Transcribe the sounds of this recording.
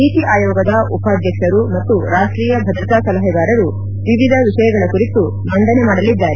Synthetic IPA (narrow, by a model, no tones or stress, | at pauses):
iːt̪iʔaːjɔːɡɐd̪ɐupaːd̪ʱjɐkʂɐɾumɐt̪ːuɾaːʂʈɾiːjɐbʱɐd̪ɾɐt̪aːsɐlɐɦɐɡ̪aːɾɐɾu | ʋiʋid̪ʱɐʋiʂɐjɐɡɐɭɐkuɾit̪u | mɐnd̪ɐnemaːɽɐlid̪ːaːɾe